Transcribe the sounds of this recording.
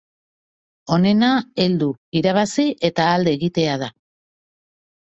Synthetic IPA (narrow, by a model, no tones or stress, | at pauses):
o̞ne̞nae̞ld̪uiɾaβ̞asiʔe̞t̪aːld̪e̞ːɣit̪e̞að̞a